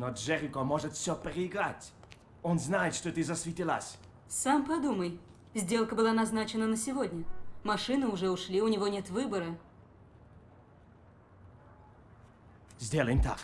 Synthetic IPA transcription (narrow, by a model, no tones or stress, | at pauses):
nɔʐɛɾʲɪkomɔʐɨt̪fsʲɔpəɾʲɪɪɡɾa̰tʲ | ɔnznajɪt̪ʂt̪ɔt̪ɨzɐsvʲɪtʲilˠa̰sʲ | sampɐd̪uməj | zʲdʲe̞lˠkəbɨlˠanɐznat͡ɕɪnənəsʲɪvo̞dʲnʲəmɐʂɨnɨʊʐɛʊʂlʲiʊnʲɪvo̞nʲe̞t̪vɨbəɾə | zʲdʲelˠəjɪmt̪a̰k